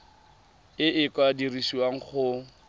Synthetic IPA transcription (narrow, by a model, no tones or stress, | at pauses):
ɪʔɪkʼwadirisiwaŋ̩χʊ